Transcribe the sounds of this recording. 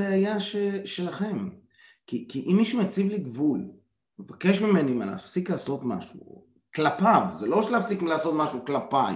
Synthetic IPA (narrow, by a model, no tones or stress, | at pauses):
eajaʃeʃe̞laχe̞m | kikiʔimːiʃumet͡sivliɡvul | mevake̞ʃmime̞nuimana̰afsiklaːso̞t̪ma̰ʃṵ | klapavzelo̞ʃeleafsiklaːso̞t̪maʃuklapaj